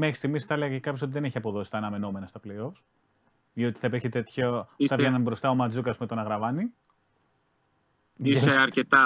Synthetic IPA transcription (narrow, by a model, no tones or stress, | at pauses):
mexi̥st̪iɣmisθɐleɣɐcekɐpçoso̞t̪iðe̞neçiɐpo̞ðo̞si̥t̪ɐːnɐme̞no̞me̞nɐst̪ɐple̞jo̞fs | io̞t̪i̥θɐpeçet̪et̪çot̪ɐvʝenɐnbɾo̞st̪ɐo̞mɐd͡zukɐspumet̪onɐɣɾɐvɐni | iseɐɾcet̪ɐ